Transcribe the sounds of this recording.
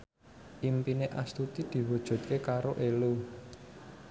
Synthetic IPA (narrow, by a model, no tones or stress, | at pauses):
ʔimpineʔa̰st̪ut̪id̪̥i̤wod̥ʒ̥ṳt̪̚kekaɾoʔelu